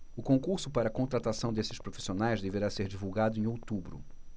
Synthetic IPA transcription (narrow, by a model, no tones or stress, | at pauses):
ʊkõŋkuɾsʊpaɾɐːkõnt̪ɾat̪asɐ̃w̃d̪esɪ̥ʃpɾofi̥sionajzd̪eveɾaseɾd͡ʒivuwɡad̪ʊẽowt̪ubɾʊ̰